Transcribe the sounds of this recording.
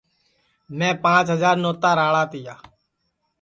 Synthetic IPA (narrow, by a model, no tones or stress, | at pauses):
mɛ̃ːpãːt͡ʃɦəzaːɾnoːt̪aːɾaːɭaːt̪ɪjaː